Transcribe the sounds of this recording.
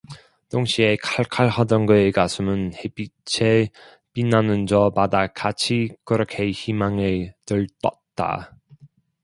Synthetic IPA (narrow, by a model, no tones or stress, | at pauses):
toŋɕʰie̞kʰaɭkʰaɭɦadʌnɡɯeɡasʰɯmɯnhebit͡ɕʰe | pinːanɯnd͡ʑʌmadakat͡ɕʰikɯɾʌkʰe̞çimaŋetɯɭt͈ʌt̚t͈a̰